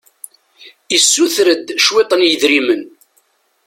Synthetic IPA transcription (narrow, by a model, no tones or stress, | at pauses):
isːuθɾəd̪ʃwet̪ˤənjəðɾimən